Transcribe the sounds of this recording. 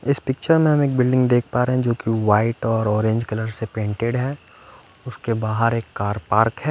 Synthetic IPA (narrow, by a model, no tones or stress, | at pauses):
ɪspɪk̚t͡ʃəɾmẽɦɐmeːk̚bɪlɖɪ̃ŋɡd̪eːk̚ʰpaːɾeɦɛ̃d͡ʒoːkiʋaːɪʈɔːɾɔːɾẽɲd͡ʒkɐləɾsepẽːɳʈeɖɦɛː | ʊskebaːɦəɾeːkːaːɾpaːɾkɦɛː